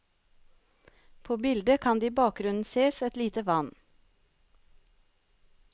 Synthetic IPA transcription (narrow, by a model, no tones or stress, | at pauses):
pʰoːbɪld̪əkʰɑnd̪iːbɑːk̚ɡɾʉnn̩seːsɛt̪liːt̪əʋɑn